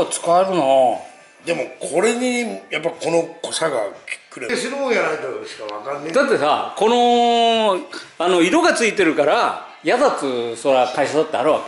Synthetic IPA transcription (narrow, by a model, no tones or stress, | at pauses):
t͡sɨ̥kaeɾɯ̟no | d̪e̞mo̞kʰo̞ɾe̞ɲ̟ijapːaiko̞no̞kosaɡa̰kʲi̥kɯɾeɕinoːjanait̪oɕi̥kaβa̰kanːed̪at̪ːe̞sa̰ko̞no̞ | ano̞iɾo̞ɡat͡sɨit̪e̞ɾɯ̟kaɾa | jad̪at͡sɨso̞ɾakaiɕad̪at̪ːeaɾɯβake